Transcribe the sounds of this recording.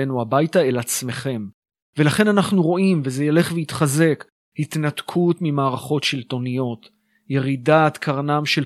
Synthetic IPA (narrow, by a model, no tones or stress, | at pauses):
enuabajtae̞lat͡sme̞χe̞m | velaχe̞nanaχnuʁo̞ʔimvezejale̞χveit̪χaze̞k | hit̪natkʰutmimaːʁaχo̞tʃilto̞nijo̞t | je̞ʁidat̪kʰaʁnamʃel